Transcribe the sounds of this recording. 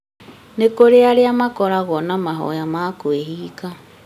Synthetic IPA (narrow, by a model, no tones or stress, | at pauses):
nekoɾeaɾeamakɔɾaɣɔnamaɦɔ̰jamakweɦiːka